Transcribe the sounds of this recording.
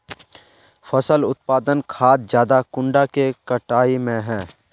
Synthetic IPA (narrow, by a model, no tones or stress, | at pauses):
fʰəsəlʊt̪̚paːd̪ənkʰaːt̪̚d͡ʒjaːd̪akʊ̃ɳɖakekəʈaːimẽɦɛ̃ː